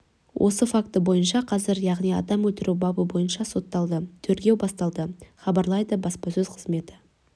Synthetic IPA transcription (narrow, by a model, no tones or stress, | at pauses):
wʔo̞̰səfakt̪əbo̞jənʃɑqʰɑzɪɾjɑʁnijɑ̰d̪ɑmwɵlt̪ɪɾʔubɑbəbo̞jənʃɑso̞t̪ːɑlˠd̪ət̪ʰɵɾɡʲe̞wbɑst̪ɑlˠd̪əχɑbɑɾlˠɑjd̪əbɑspɑsɵz̥qʰəzme̞t̪ɪ̥